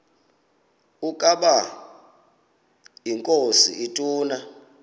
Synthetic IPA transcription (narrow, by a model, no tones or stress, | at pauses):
ukʼaɓa | iŋkʼosḭʔitʼuːna